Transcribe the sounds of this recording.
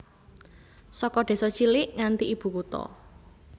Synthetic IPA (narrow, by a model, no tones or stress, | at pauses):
sɔkɔɖ̪̥e̤sɔt͡ʃilɪʔŋant̪iʔib̥ṳkut̪ɔ̰